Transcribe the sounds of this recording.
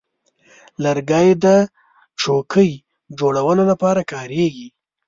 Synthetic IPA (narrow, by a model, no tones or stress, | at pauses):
ləɾɡɑjd̪ə | t͡ʃokʰəj | d͡ʒoɽawəlolapɑɾakɑɾeɡi